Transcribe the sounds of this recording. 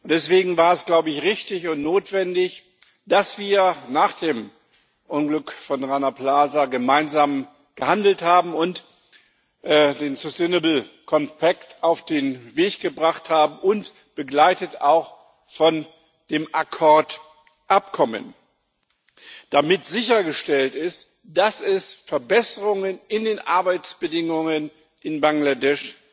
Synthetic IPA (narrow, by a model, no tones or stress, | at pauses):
ʊnd̥ɛsv̥eːɡŋ̩vaːɐɛsɡ̥laʊbəɪçʁɪçtɪçʊntnoːtv̥ɛndɪç | d̥asv̥iːɐnaːχd̥eːm | ʔʊnɡlʏkfɔnʁaɪnapl̥aːzaɡəmaɪnzaːm | ɡ̥əhandl̩thaːbm̩ʊnt | ʔːdeːnsʊsteɪnəbl̩kʰɔmpʰaktaʊfd̥eːnveːçɡ̥əbʁaχthaːbm̩ʔʊnt | b̥əɡlaɪtətaʊx | fɔn | d̥eːmʔakʰɔɐt | ʔap̚kʰɔmə̰n | d̥amɪtz̥ɪçɐɡəʃtɛltɪst | d̥asɛsfɛɐbɛsəʁʊŋənɪndeːnʔaɐbaɪt͡sb̥ədɪŋʊŋən | ʔɪnbaŋladɛʃ